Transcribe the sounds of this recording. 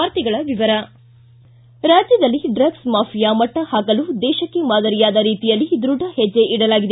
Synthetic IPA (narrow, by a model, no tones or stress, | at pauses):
aːɾt̪iɡɐɭɐʋiʋɐɾɐ | ɾaːd͡ʒjɐd̪ɐlːiɖɾɐɡsmaːpʰijaːmɐʈːɐhaːkɐlud̪ɛːʃɐkːemaːd̪ɐɾijaːd̪ɐɾiːt̪ijɐlːid̪ɾuɖʱɐhɛd͡ʒːe̞ʔiɽɐlaːɡid̪e